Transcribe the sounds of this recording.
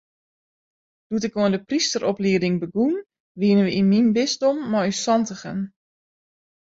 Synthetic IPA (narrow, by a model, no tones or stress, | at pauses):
d̥utɪkoəndəpristəɾʔɔpliədɪŋbəɡun | ʋiənənʋəinminbɪstomːɔysɔntəxə̰n